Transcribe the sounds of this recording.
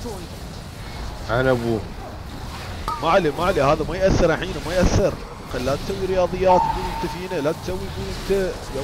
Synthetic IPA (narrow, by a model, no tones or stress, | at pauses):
ʔanabuː | maʕlimaʕlihaːðamajʔaθːɪɾˤaħiːnamajʔaθːɪɾ | qallat̪sawːiɾɪjɑːðˤɨjːaːt̪ɡuːlɪnt̪afiːnalat̪sawːijɡuːlʔɪnt̪aja